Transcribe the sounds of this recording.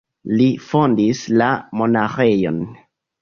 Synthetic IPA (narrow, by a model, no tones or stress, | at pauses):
lifo̞ndislamo̞naxe̞jo̞̰n